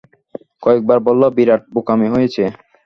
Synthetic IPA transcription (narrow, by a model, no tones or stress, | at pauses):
kɔek̚baɾbɔlːabiɾaʈ̚bokameɦojet͡ɕʰe